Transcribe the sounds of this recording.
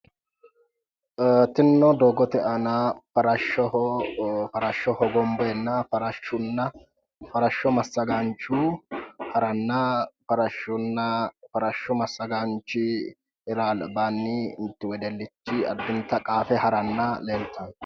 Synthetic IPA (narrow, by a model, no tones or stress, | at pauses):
t̪ɪnːɔd̪oɡɔt̪ɛʔɐnɐfɐɾɐʃɔ | fɐɾɐʃːɔhɔɡɔmbɔɛnːɐfɐɾɐʃʊnːɐ | fɐɾɐʃːɔmɐsːɐɡant͡ʃːu | hɐɾɐnːɐfɐɾɐʃʊnːɐfɐɾɐʃːɔmɐsːɐɡant͡ʃːɪ | ɪɾaːlbanːɪɪ̰nt̪ːɪwɛd̪ɛlːɪt͡ʃːɪɐ̰d̪ːʊnt̪ːɐkʼaːfɛhɐɾɐnːɐlelt̪ɐ